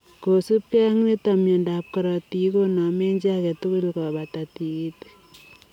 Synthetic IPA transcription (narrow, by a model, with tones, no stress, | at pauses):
ko˨su˦p̚kɛ˦ŋne˦tamjɛ˨ndap̚kɔ˨ɾɔ˨ti˨˦ko˦nɔ˨me˦ɲd͡ʒakɛ˨tu˦kʊ˦lkɔ˨ba˨ta˨ti˨i˦t